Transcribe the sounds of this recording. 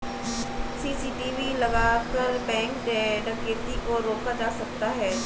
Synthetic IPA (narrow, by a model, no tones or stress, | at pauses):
siːsiːʈiːʋilɐɡaːkɐɾbɛ̃ːŋkɖɛːɖəkeːt̪ikoɾoːkad͡ʒaːsɐk̚t̪aɦɛː